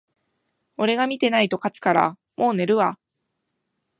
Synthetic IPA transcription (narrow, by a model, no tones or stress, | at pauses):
o̞ɾe̞ɡamʲit̪e̞nait̪o̞kat͡sɨ̥kaɾa̰ | mo̞ːne̞ɾɯ̟βa